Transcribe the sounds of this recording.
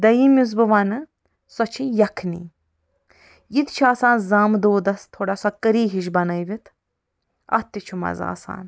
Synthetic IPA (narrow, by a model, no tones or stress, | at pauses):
d̪ɐjimʲuz̬bɨʋanɨ | sɔt͡ʃʰijɐkʰnḭː | jit̪t͡ʃʰaːsaːnzaːmd̪oːd̪ɐst̪ʰoːɽasɐkəɾiːɦiʃbɐnɐjʋʲit̪ʰ | ɐ̰t̪ːit͡ʃʰumɐ̰za̰ːsa̰ːn